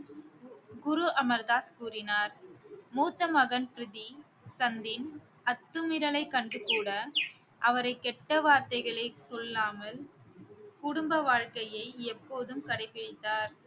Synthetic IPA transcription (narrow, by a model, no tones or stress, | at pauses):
ɡʊɾuʔɐmɐɾðaːskuːrɪnaːɾmuːt̪ːɐmɐɣɐnpɪɾɪði | sɐnd̪ɪn | ɐt̪ːɯmɪɾɐɭɐɪkːɐɳɖrɯkuːɽɐ | ʔɐʋɐɾɐɪkːɛʈːɐʋaːɾt̪ɐɪɣɐɭesɔlːaːmɐl | kʊɽʊmbɐʋaːɻkɐjɐɪɛpːoːðɯmkɐɽɐɪpːɪɽɪt̪ːaːɾ